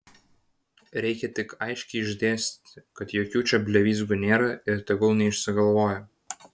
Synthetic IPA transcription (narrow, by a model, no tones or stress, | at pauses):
ɾʲɛɪkʲɛt̪ʲɪkɐɪʃʲkʲɛɪɪʒʲd̪ʲeːsʲt̪ʲkɐt̪joːkʲuːt͡ʃʲɛbʲlʲɛʋʲiːz̬ɡʊnʲeːɾɐɪɾt̪ʲɐɡolˠnʲɛɪʃʲsʲɪɡɐlˠʋoːjɛ